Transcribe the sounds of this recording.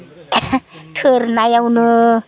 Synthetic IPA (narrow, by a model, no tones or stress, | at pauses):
t̪ʰɯɾnajawnɯ